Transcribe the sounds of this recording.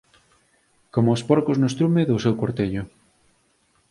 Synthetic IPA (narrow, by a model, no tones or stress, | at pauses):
komoːspoɾkoznost̪ɾumeðosewkoɾt̪eʎʊ